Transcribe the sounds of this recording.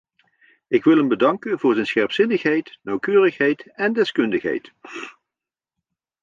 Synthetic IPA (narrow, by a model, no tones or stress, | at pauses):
ɪkʋɪlˠɦɛmbədɑŋkənvʊːɹzɛjnsχɛɹpsɪnəχɦɛjtnɑwkøːrəχɦɛjtɛndɛskɵndəχɦɛ̰jt